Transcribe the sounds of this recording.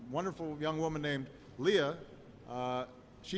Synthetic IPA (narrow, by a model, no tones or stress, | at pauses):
wʌ̃ndə˞fl̩ˠjʌ̃ŋwʊmə̃nːẽɪ̃md | liə | ʃi